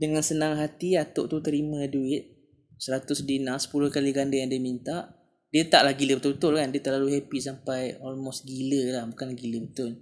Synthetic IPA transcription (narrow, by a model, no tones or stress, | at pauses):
dəŋansənaŋɦat̪iat̪ʊ̰ʔt̪ut̪əɾimãduɪt̪̚ | səɾat̪ʊsdinasə̥pulʊhkaliɡandajaŋdiəmint̪aʔ | diət̪aʔlahɡiləbət̪ʊlbət̪ʊlkandiət̪əlaluɦɛpisampajɔlmɔst̪̚ɡiləlahbukanlaɡiləbət̪ʊl